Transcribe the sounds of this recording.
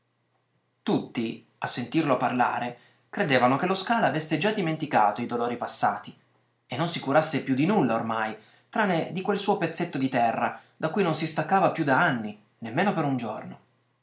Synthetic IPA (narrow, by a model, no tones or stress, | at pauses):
t̪ut̪ːi | asːent̪irloparla̰ːɾe | kɾed̪eːvanokeloskaːlaavesːed͡ʒad̪ːiment̪ika̰ːt̪oid̪oloːɾipasːa̰ːt̪i | enːonsikuɾasːepjud̪ːinulːaormaj | t̪ɾaːnːed̪ikwelsuːopet̪sːet̪ːod̪it̪ɛrːad̪akːujnonsist̪akːaːvapjud̪aanːi | nemːeːnopeɾund͡ʒo̰rno